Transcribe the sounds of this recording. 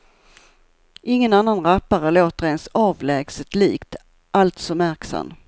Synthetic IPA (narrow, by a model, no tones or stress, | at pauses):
ʔɪŋːənanːanɾapːaɾəloːt̪əɾensɑːvlɛːɡsət̪liːkt̪ | ʔalt̪sɔmæɾksa̰m